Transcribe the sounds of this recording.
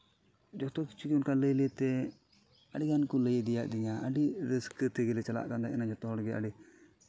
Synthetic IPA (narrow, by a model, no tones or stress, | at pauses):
d͡ʒɔt̪ɔki̥t͡ʃʰukiʊnkaləjlɛt̪ɛ | əɖiɡankuləjɛd̪ija̰ʔd̪iɲaəɖiɾiskt̪ɛɡɛlɛt͡ʃala̰ʔkand̪aɛnad͡ʒɔt̪ɔɦɔɽɡɛa̰ɖi